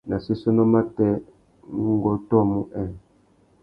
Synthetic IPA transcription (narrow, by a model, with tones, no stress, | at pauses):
na˨si˦sɔ˦nɔ˦ma˦tɛ˦ | ŋ˦ɡɔ˨tɔ˦mu˦ʔɛ˨